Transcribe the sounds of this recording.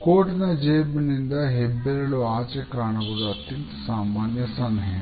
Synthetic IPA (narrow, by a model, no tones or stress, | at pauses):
koːʈɐnɐd͡ʒeːbnind̪ɐɦebːeɾɐloːaːt͡ʃekaːɳɐɡuɽɐɐt̪jɐntt̪ɐ̥saːmaːnjɐsɐnd̪ʱɦɐjɐ